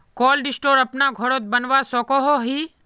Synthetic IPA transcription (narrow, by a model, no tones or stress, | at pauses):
kɔːlɖɪsʈoːɾɐpnaɡʱɔɽot̪̚bɐnʋasɔːkoɦoɦiː